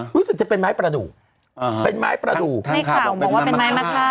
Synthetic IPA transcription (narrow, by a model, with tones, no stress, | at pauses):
ɾuː˦˥sɯ˨˩k̚t͡ɕa˨˩pe˧nmaː˦˥jpɾa˧duː˨˩k̚ | pe˧nma̰ː˦˥jpɾa˧duː˨˩k̚a˧˩a˨˩bwaː˥˧e˧nmaː˦˥jma˥t̪ʰa˥˩